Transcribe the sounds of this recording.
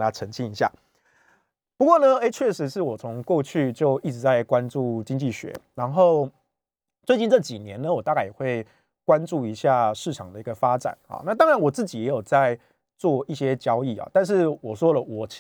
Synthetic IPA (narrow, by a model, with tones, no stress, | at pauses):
nʰa˦ʈ͡ʂʰə˧˥ŋt͡ɕʰi˥ŋi˧˦˥ɕja̰˥˩ | pu˧˥kwɔ˥˩nə˨e˥ɪt͡ɕʰɥɛ˥˩ʂɻ̩˧˦ʂɻ̩˥˩wɔ˨˩t͡sʰo˧˦ŋkwɔ˥˧t͡ɕʰy˥˧t͡ɕjo˥˧ʊi˥˩ʈ͡ʂɻ̩˧˥t͡sa˥˩ɪkwa˦nʈ͡ʂu˥˩t͡ɕi˥˦ŋt͡ɕi˥˨˩ɕɥɛ̰˧˦ɻa˧˦nxo˥˩ʊ | t͡swe˥˧t͡ɕi˥˧nʈ͡ʂɤ˥˩t͡ɕi˨˩njɛ˨˦nə˧wɔ˨˩t̪a˥˧ka˥˩ɪjɛ˨˩xwe˥˩ɪ | kwa˦˥nʈ͡ʂu˥˩i˧˥ɕja˥˧ʂɻ̩˥˩ʈ͡ʂʰɑ˨˩ŋd̪ə˦i˧˥ɡə˧fa˦ʈ͡ʂa̰˨˩˦nhɑ̰˨˦na˥˩t̪̬ɑ˥ŋɻa˨˦nwɔ˨˩t͡sɹ̩˥˩t͡ɕi˨˦jɛ˧˥jo˨˩ʊt͡sa˥˧ɪ | t͡swɔ˥˧i˥˩ɕjɛ˦t͡ɕjɑ˦ʊi˥˩ɑ̰˨˩t̪a˥˧nʂ̬ɻ̩˥˩wɔ˨˩ʂwɔ˥lə˨wɔ˨˩